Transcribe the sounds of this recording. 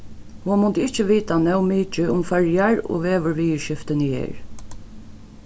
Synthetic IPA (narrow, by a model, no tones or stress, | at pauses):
humʊnt̪əɪht͡ʃəʋiːt̪anɛwmiːt͡ʃəʊmfɛɹjaɹo̰ːʋeːʋəɹʋiːəʃɪft̪ɪnəjḛːɹ